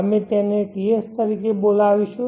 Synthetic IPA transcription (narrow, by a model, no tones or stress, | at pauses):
əmẽt̪ɛ̃neʈiest̪əɾikebolaːʋiʃu